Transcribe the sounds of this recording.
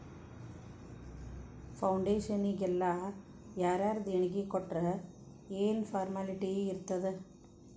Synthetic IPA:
fɐwʊɳɖeːʂɐnɪɡɛlːaː | jaːɾaːɾɯd̪ɛɳɐɡikːɔʈrɐ | eːnfaːɾmaːlɪʈːijeɪɾɯt̪ːɐðɯ

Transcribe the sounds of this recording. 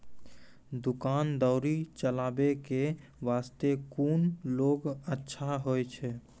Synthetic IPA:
d̪ukaːnd̪əʊɾit͡ʃəlaːbeke | ʋaːst̪ekuːnloːɡətːʃʰaɦojt͡ʃʰɛ

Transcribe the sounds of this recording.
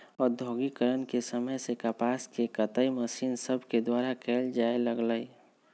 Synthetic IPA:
ɔːɾd̪ʱoɡikəɾənkesəməjsekəpaːskekət̪əiməsiːnsəbʱked̪waːɾakʰeːld͡ʒaeləɡləi

